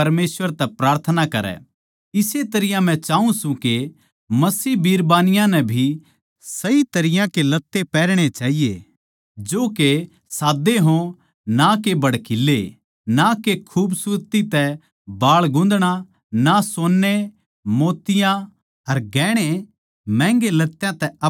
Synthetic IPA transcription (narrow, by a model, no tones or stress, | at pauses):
ɐɾmeːsʋəɾt̪ɛpɾaːɾt̪ʰənakɐɾɛ̰ | ɪset̪ɐɾɪjãm̤ɛ̃t͡ʃaːũsũke | mɐsiːbiːɾbaːnɪjãnɛbʱi | sɐit̪ɐɾɪjãkelɐt̪ːepɛːɾɽ̃et͡ʃaːɦijḛ | d͡ʒoːke | saːd̪eɦõ | nakebɐɽkɪlːe | nakekʰuːbsʊɾt̪it̪ɛ | baːɭɡʊ̃ːn̆d̪ɽ̃a | nasoːnːe | moːt̪ɪjã | ɐɾɡɛːɽ̃e | mɛ̃ːŋɡelɐt̪ːjãt̪ɛɐ